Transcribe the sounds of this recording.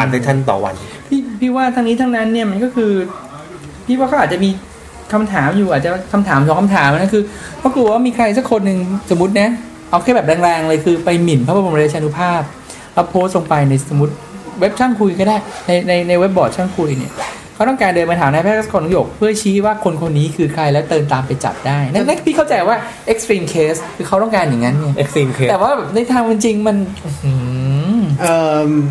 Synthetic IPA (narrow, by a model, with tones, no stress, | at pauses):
a˨˩t̪a˧t̪ʰa˥˩nt̪ɔ̰ː˨˩wa̰˧n | pʰiː˥˩pʰiː˥˩waː˥˩t̪ʰaː˧ŋniː˦˥t̪ʰa˦˧˥ŋna˦˥nːi˥˩ɐma˧nkɔː˥˩kʰɯː˧ | pʰiː˥˩waː˥˩kʰɔ˥˩aː˨˩t̚t͡ɕa˨˩miː˧ | kʰa˧mt̪ʰaː˩˦mjuː˨˩ʔaː˨˩t͡ɕa˨˩kʰa˧mt̪ʰaː˩˦msʰɔː˨˩˦ŋkʰa˧mt̪ʰaː˩˦mʔna˥˩kʰɯː˧pʰɔ˧˥˩ku˨˩waː˥˩miː˧kʰɾa˧jsa˦˥˩kʰo˧nːɯ˨˧ŋso˩˦mːu˦˥t̪̚na˦˥ | ʔa˧wkʰaː˧˥˩bɛ˨˩ɾɛː˧ŋɾɛː˧ŋlɤː˧jkʰɯː˧pa˧jmi˨˩npʰaː˦˥pʰːpo˧˩˧t͡ɕʰaː˧nu˦˥pʰaː˥˩p̚ | lɛ˦˥pʰoː˦˥st̪̚lo˧ŋpa˧jna˧jso˩˦mu˦˥t̪̚we˦˥p̚t͡ɕʰa˥˩ŋkʰu˧jkʰɔː˥˩daː˥˩jna˧jna˧jna˧jwe˦˥p̚bɔː˨˩t̪̚t͡ɕʰa˥˩ŋkʰu˧jni˥˩ɐkʰa˦˥wt̪ɔ˥ŋkaː˧ndoɤː˧nma˧t̪aː˩˦naː˧pʰɛː˥˩k̚a˥˨˩kːɔː˧nɔ˦˥joː˨˩k̚pʰɯ˥˩ɐt͡ɕʰiː˦˥waː˥˩kʰo˧nkʰo˧nːiː˦˥kʰɯː˧kʰɾa˧jlɛ˦˥t̪ɤː˧nt̪aː˧mpa˧jt͡ɕa̰˨˩p̚daː˥˩jna˦˥na˦˥pʰiː˥˩kʰa˥˩t͡ɕa˧jwaː˥˩ | ʔe˦˥k̚st̪ɾiː˧mkʰeː˦˥skʰɯː˧kʰa˦˥wt̪ɔ˥˩ŋkaː˧nja˨˩ŋːa˦˥nːi˧˩ʔk̚iː˧˦t̪ːwaː˥˩bɛː˨˩p̚na˧jt̪ʰaː˧ŋma˧nt͡ɕi˧ŋma˧nʔu˧˩ɯː˧˩ | ʔɤː˧m